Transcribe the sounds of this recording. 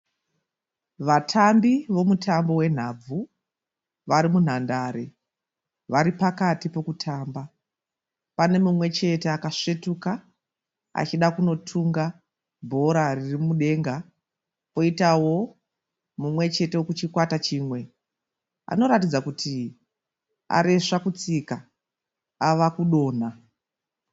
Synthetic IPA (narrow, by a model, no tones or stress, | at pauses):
ʋatʰambiʋo̞mutʰambo̞we̞n̤ab͡vu | ʋaɾimun̤andaːɾe̞ | ʋaɾipakatipo̞kutʰaːmba | pane̞mumwe̞t͡ʃe̞teakaʂetuka | a̰t͡ʃiɗakuno̞tʰuŋɡa | bʱo̞ɾaririmuɗe̞ŋɡa | po̞itawo̞ | mumwe̞t͡ʃe̞tewokut͡ʃikwatat͡ʃiːmwe̞ | a̰no̞ɾatid͡zakutʰi | a̰ɾeʂakut͡sika | aʋakuɗo̞ːn̤a